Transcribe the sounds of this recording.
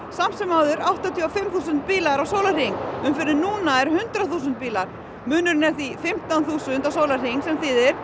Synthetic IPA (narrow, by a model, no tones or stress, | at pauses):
sam̥sɛmaːwðʏɾawht̪at̪ʰiafɪmθuːsʏnt̪̚piːlaɾawsowlar̥iŋʏmfɪɾɪnuːnaɛɾhʏnt̪ɾaθuːsʏnt̪piːlaɾ̥ | mʏːnʏɾnɛθifɪm̥t̪anθuːsʏnt̪awsoːwlar̥iŋsɛmθɪðɛɾ̥